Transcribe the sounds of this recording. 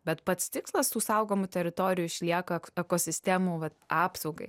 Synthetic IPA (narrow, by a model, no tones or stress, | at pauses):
bʲɛt̪pɐt̪st̪ʲɪkslˠɐst̪uːsɐʊɡoːmʊt̪ʲɛɾʲɪt̪oːɾʲɪjʊɪʃʲlʲiɛkɐɛkoːsʲɪsʲt̪ʲæmuːʋɐt̪ɑːpsɐʊɡɐɪ